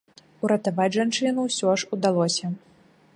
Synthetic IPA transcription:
uɾɐt̪avat͡sʲʐant͡ʂɨnuwsʲɔʂud̪alˠɔsʲɐ

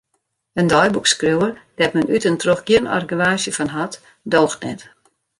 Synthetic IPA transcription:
əndɔjbukskriwərd̥ɛt̚mɛnytəntroxɡjiənɔ̰rɡyʋaːsjəfɔnɦat | doːxtnɛt

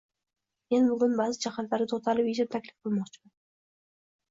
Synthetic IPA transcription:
me̞nbʊɡʊnbaːzɪd͡ʒaχat̪laɾɪt̪ʰot̪ʰalɪpid͡ʒɪmt̪ʰakʲlɪfqɨlˠmɒqt͡ʃʰɪman

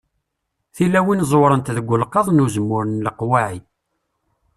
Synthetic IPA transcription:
θilːæwinzˤwɾˤənt̪ðəɡʷːʊlqːɑðˤnuzəmːʊɾənləqwaʕi

